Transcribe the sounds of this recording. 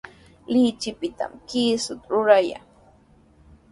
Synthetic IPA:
lɪt͡ʃɪpɪt̪a̰mkiːsʊt̪ɾʊɾaja̰ŋ

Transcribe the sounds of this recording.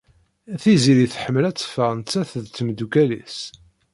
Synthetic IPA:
æθiziliθħəmːəlæt͡sːə̥fəʁnt͡sːæθəðt͡sːmd̪ukælḭs

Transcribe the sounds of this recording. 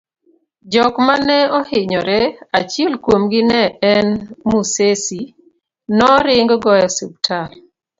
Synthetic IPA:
d͡ʒɔkmanɛɔhɪɲɔɾɛat͡ʃiɛlkwomɡɪnɛɛnmusesi | nɔɾɪŋɡɡɔjɔsub̚tʰal

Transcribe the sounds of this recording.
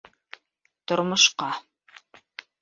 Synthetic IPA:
t̪ŏɾmŏʃqɑ

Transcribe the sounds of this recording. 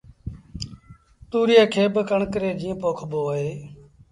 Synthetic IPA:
t̪uːɾɪjaːkʰeːbəkəɳkəɾeːd͡ʒiːə̃ːpoːkʰboːɦeː

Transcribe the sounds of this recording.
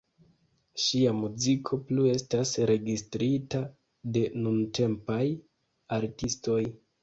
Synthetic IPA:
ʃiamuzikʰo̞plue̞stasɾe̞ɡistɾita | de̞nunte̞mpaj | aɾtisto̞j

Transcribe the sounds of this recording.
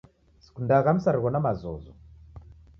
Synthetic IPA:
si̥kundaɣan̩usaɾiɣɔnamazɔ̰zɔ̰

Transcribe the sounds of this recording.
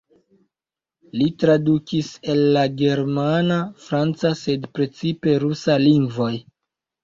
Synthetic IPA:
litɾadukise̞lːaɡe̞ɾmanafɾant͡sase̞dpɾe̞t͡sipe̞ɾusaliŋɡvo̞j

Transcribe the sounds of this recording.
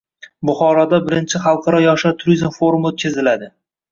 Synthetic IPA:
bʊχɒɾɒd̪abɪɾɪnt͡ʃʰɪχɑlˠqʰɑɾɒjɒʃat̪ʰʊɾizmfo̞ɾumot̪̚kʲʰazɪlad̪ɪ

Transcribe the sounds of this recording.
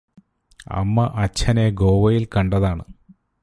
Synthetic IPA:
ɐ̰mːɐʔɐt͡ɕʰɐneɡo̞ːʋɐjilkɐɳɖɐðaːɳɨ

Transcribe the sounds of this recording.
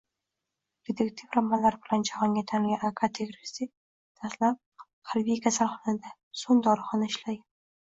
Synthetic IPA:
ɾed̪ʰekt̪ʰivɾamːalaɾbɪland͡ʒahɒŋɡʲat̪ʰaŋɡʲaʔakʰat̪ʰeɡɾɪsi | t̪ʰaslap̚ | haɾbijkʲʰasalˠχɒnad̪a | soŋd̪ɒɾɨχɒnaɪʃlaja

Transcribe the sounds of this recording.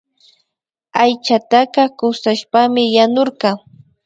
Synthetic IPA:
ajt͡ʃat̪aqɑkʊsaʃpamɪjanoɾqɑ

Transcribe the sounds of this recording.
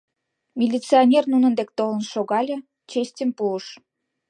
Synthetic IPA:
mʲilʲit͡sionʲernunənd̪ek̚t̪olə̆nʃoɣɑlʲə̆ | t͡ɕesʲtʲəmpuəʃ

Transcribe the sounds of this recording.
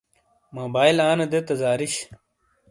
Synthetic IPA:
moːbaːjlaːnɐd̪et̪ɐzaːɾiɕ

